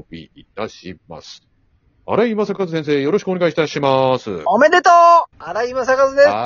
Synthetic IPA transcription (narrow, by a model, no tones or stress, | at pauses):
bʲḭit̪aɕima̰sɨ̥ | a̰ɾaimasakazɨs̬ẽs̬e̞ːjo̞ɾo̞ɕi̥kɯoɡait̪aɕimasɨ̰omed̪et̪oaɾaimasakazɨd̪es